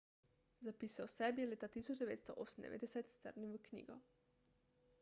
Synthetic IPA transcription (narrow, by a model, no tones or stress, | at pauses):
zapiːsawsɛbjɛleːt̪at̪isɔt͡ʃd̪ɛʋḛːt̪st̪ɔʔoːsn̩d̪ɛ̰ʋḛd̪ɛsɛt̪st̪ə̰ɾnʲimʋəknʲḭːɡɔ